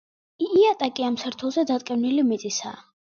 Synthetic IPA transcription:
iːat̪ʼakʼiamsɛɾt̪ʰɔlˠzɛd̪at̪ʼkʼɛvnilimit̪ʼisa̰ː

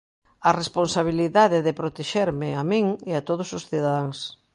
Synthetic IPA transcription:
ɐresponsaβ̞iliðaðeðɪpɾot̪eʃeɾmɪamĩŋeat̪oð̞ʊsʊsθiðaðaŋs

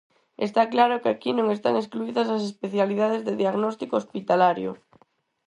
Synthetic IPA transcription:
ḛst̪aklaɾʊkakinõŋest̪aŋeskluiðɐsas̬espeθjaliðaðezðeðiaɣnɔst̪ikoospit̪alaɾjʊ̰

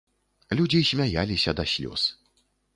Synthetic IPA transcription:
lʲud͡zʲisʲmʲaja̰lʲisʲɐd̪ɐsʲlʲɔ̰s

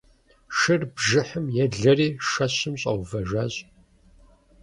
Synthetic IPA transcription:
ʃɨrbʒɨħəmjɛɮɐriːʂɐɕɨmɕʼɐwvɐʒaːɕʼ

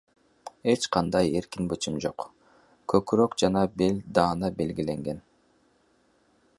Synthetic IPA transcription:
e̞t͡ʃqʰɑnd̪ɑje̞ɾkinbɯt͡ʃimd͡ʒo̞q | kʰøkɾøkd͡ʒɑnɑbelʲd̪ɑːnɑbe̞lɡile̞ŋɡe̞n

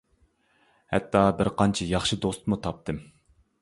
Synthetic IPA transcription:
hɛ̰t̪ʰːɑbɪɾqɑnt͡ʃʰɛjɑχʃid̪ost̪mut̪ʰɑp̚t̪ɨm

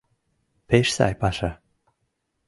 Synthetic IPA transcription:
peʃsa̰jpaʃa

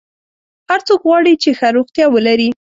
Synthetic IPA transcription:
haɾt͡sokɣwɑɽit͡ʃexaɾoxt̪jɑwəlaɾi

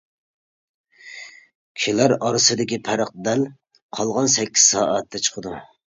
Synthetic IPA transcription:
kʲʰʃilæɾɑɾɨsɨd̪ɪkʲipʰæɾəq̚d̪ɛl | qʰɑlˠʁɑnsɛkʲːi̥z̥sɑːʔɛt̪ʰːɛt͡ʃʰə̥qʰəd̪u

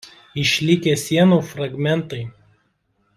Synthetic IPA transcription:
ɪʃʲlʲɪkʲesʲiɛnuːfɾɐɡmʲɛnt̪ɐɪ

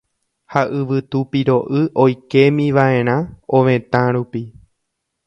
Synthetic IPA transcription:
haʔɨʋɨt̪upiɾo̞ʔɨʔo̞jke̞mĩʋaẽ̞ɾ̃ãõʋẽ̞t̪ãɾupi

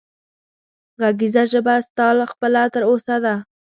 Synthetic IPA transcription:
ɣaɡizaʒəbast̪ɑlxpəlat̪əɾosad̪a

